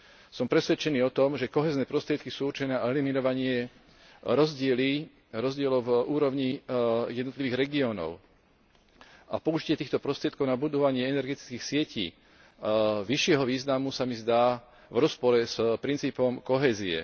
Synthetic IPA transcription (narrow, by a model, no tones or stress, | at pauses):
sɔmpɾɛsʋɛt͡ʃɛniːɔt̪ɔmʒɛkɔɦɛːznɛːpɾɔst̪ɾɪɛt̪kisuːuɾt͡ʃɛnɛːɛliminɔʋaɲɪɛ | ɾɔzɟɪɛli | ɾɔzɟɪɛlɔʊvuːɾɔʊɲijɛd̪nt̪liʋiːɣɾɛɡiɔːnɔ̰ʊ | ʔapɔuʒicɪɛt̪iːxt̪ɔpɾɔst̪ɾɪɛt̪̚kɔʊnabud̪ɔʋaɲɪɛɛnɛɾɡɛt̪i̥t͡skiːxsɪɛcḭː | ʋiʃɪɛɦɔʋiːznamusamizd̪aː | vɾɔspɔɾɛspɾint͡siːpɔmkɔɦɛːziɛ̰